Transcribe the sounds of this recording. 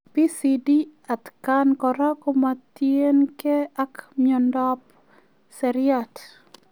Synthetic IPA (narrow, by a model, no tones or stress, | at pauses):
pisidiat̪kankɔɾakɔmat̪jenkɛakmjɔndɔp | sɛɾɪat